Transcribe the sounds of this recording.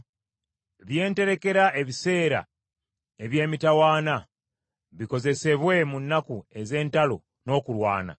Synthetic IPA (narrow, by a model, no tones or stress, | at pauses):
βje̞ːnte̞ɾe̞ke̞ɾaʔe̞βise̞ːɾa̰ | e̞βje̞ːmitawaːna | βiko̞ze̞se̞βwe̞munːakue̞ze̞ːntalo̞̰ | no̞ːkulwa̰ːna̰